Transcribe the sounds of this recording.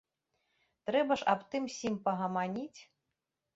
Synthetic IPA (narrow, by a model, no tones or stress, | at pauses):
t̪ɾɛbɐʂapt̪ɨmsʲimpɐɣɐmanʲit͡sʲ